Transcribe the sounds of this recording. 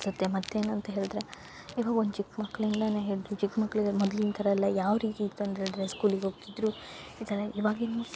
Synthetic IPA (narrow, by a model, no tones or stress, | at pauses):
sɐt̪ːemɐt̪ːe̞ːnuɐnt̪ɐɦe̞ːɭd̪ɾe | iːʋaːɡɐond̪ut͡ʃikmɐkːɐɭind̪ɐneɦeːɭid̪ɾut͡ʃikmɐkːɐɭiɡmɔd̪lint̪ʰɐɾɐɛlːɐjaːʋɾiːt̪iːt̪ːuɐnt̪ɐɦeːɭd̪ɾeskuːliɡeɦoɡ̚t̪id̪ɾu | id̪ɐlːeiʋaːɡeni